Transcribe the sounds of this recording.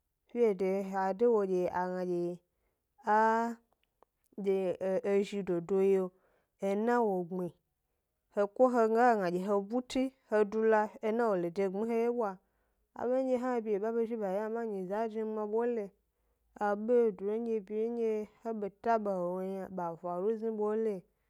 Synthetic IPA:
fi˦e˨de˨a˨de˦wo˨d͡ʒe˨a˨ŋã˨d͡ʒe˨ | a˦ | d͡ʒe˨e˨ʒi˧do˨do˦je˦o˨ | e˨nã˦wo˨ɡ͡bi˨ | he˨kʷo˦ɦe˧ŋ˦ɡa˦˨ŋã˨d͡ʒe˨ɦe˨bu˦ti˦he˨du˧la˦e˨˦nã˦wo˨le˨de˨ɡ͡bĩ˦ɦe˦je˦bʷa˨ | a̰˨be˦e˦ɦã˦e˨bi˨je˨ba˦be˦ʒi˦ba˨˦a˦mã˦ɲĩ˨za˨˦d͡ʒĩ˦ŋ͡mã˨bo˦le˨ | a˨be˦˨du˨no˦d͡ʒe˦bi˨je˦ɲ˦d͡ʒe˦he˦be˨ta˦be˨he˨wo˦ja˨ba˨vʷa˨ɾu˦zĩ˦bo˦le˨

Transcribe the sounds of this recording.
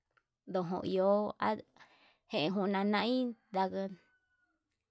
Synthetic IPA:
d̪o˨ɦõ̰˧˨ḭ˨˧o˨˦a̰˦ | hẽ˨ẽ˧ɦũ˧nã˧nã˧ʔĩ˦d̪a˧ɣə˧

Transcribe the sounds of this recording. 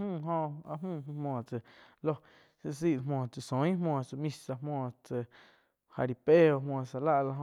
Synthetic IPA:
mũː˦˨ɦõ˧a˧ʔmũː˦˨˧mɔ̃ː˨t͡sə˨ | lo˦ | se˧s̬i˦ʔmɔ̃ː˨t͡sə˨sõ˨˦ĩ˦mɔ̃ː˧˨t͡sə˨mĩ˧sa˧mɔ̃ː˧˨t͡sə˨ | ha̰˨ɾi˨pe˦o˧mwɔ̃ː˧˨sa˨la˦ʔla˧ɦo˧

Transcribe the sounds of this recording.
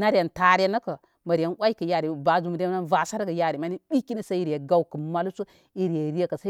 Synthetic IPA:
na˦ɾja˨nta˦ɾa˦na˦ka˨ | ma˨ɾi˨ja˦nwʷa˦i˦kə˨ja˨ɾi˨ba˨d͡ʒu˨mu˨ɾna˦nva˨sa˦ɾɡa˨ja˦ɾi˨ma˨˦ni˦ɗi˦ki˦ni˦sa˦i˨ɾje˨ɡa˦wkə˨ma˦lu˦su˦ | i˨ɾje˨ɾi˦je˦ka˨sa˦

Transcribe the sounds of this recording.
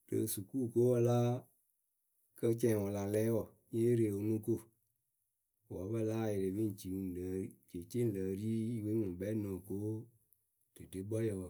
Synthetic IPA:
d̥ɨ̰˨su˨ku˦˨ko˦wɔ˦la˦ | kə˦t͡ʃɛ̃˨wɔ˨la˨lɛː˦wɔ˦˨ | ɲẽ˦ɾe˨wo˨ŋũ˦ko˦˨ | wɔ˨˦bə˦la˦˨je˨ɾe˨bi˦n˨t͡ʃi˨lə˨˦i˦t͡ʃe˨t͡ʃe˦lə˨ɾiː˦we˦ŋũ˨bɛ˦nɔ̃ː˨ko˦ | d̥ɨ˨de˨˦bɔ˦jə˨wɔ˨

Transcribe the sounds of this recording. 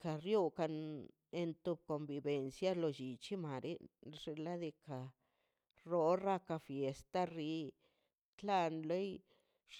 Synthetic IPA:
ka˨ɾju˦ka˧n | e˧nt̪u˧b̚ko˨mbi˧be˨nsja˦lo˧t͡ʃi˨t͡ʃi˦ma˨ɾe˦ʐe˧la˦d̪e˧ka˨ | ɾo˦ɾa˦ka˧fje˨st̪a˦ri˧˦ | t̪la˧nlo˦j

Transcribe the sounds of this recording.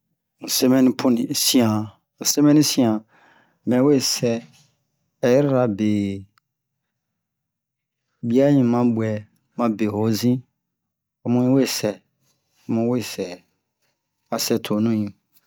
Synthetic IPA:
ũ˨se˦mɛ̃˦nĩ˦pʰu˦nĩ˨sĩ˦ã˨ | se˦mɛ̃˦nĩ˦sĩ˦ã˨ | mɛ̃˨˦we˦˨sɛ˦˨ | jɾɾa˨be˨ | bi˦a˦ɲĩ˦mã˦bu˨ɛ˨ | mã˦be˨ho˨zĩ˦ | a˨mũ˦ɲĩ˦we˦˨sɛ˨˦ | mũ˨˦we˦˨sɛ˨ | a˨sɛ˨tʰo˨nũ˦ɲĩ˨

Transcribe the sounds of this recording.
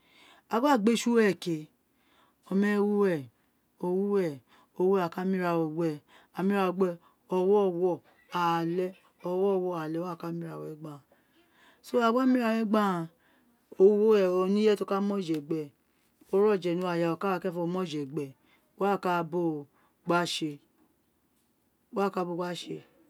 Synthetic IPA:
a˧wa˦˨ɡ͡be˦ʃu˦ɛ˦˨ke˨ | ɔ˧mɛ˦wu˦ɛ˦˨ | o˧wu˦ɛ˦˨ | o˨˧wa˨ka˨˦mĩ˦ɾa˧wo˨wɛ˨ | a˨mĩ˦ɾa˧o˧ɡ͡bɛ˧ | ɔ˧wɔ˦˨wɔ˦˨ | a˨lɛ˦ | ɔ˧wɔ˦˨wɔ˧˨a˨lɛ˦a˦˨ka˦mĩ˦ɾa˨wɛ˨ɡ͡bã˦˨ | so˦a˨wa˦mĩ˦ɾa˨˧˨wɛ˦ɡ͡bã˦˨ | o˦˧˦wo˦ɛ˦˨o˧nĩ˦ɛ˦to˦ka˦mɔ̃˦˨d͡ʒɛ˨ɡ͡bɛ˨ | o˦ɾɔ˦˨d͡ʒɛ˨nũ˨˧˦a˨ja˨o˨ka˦a˧kɛ˦fɔ˧mɔ˦˨d͡ʒɛ˨ɡ͡bɛ˨˦ | a˦˨ka˦bo˦ | ɡ͡ba˦ʃe˧ | wa˦˨ka˧˦bo˧˨ɡ͡ba˦ʃe˧

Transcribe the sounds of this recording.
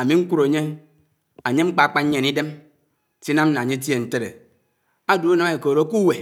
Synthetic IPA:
a˨mi˨ŋ̩˦ku˦ɾo˨ɲe˦ | a˨ɲe˦ŋ͡m̩˦k͡pa˨k͡pa˦ɲ˦ɲe˨ni˦de˦m | si˦na˦m̩˦na˨ɲe˦t̬je˨n̩˨te˦ɾḛ˨ | a˦du˦a˦na˦˨me˨koː˨ɾo˦ku˦we˨

